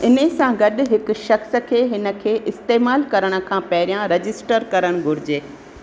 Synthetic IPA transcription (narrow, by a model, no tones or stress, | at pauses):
ɪnəsãɡɐɗ̆ɦɪkʊ̆ʃɐxs̆kʰeːɦɪnə̆kʰeːʔɪst̪eːmaːlkɐɾəɽ̃ə̆kʰãːpɐɦɪɾijãɾɐd͡ʑɪsʈəɾkɐɾəɽ̃ɡʱʊɾɪd͡ʑeː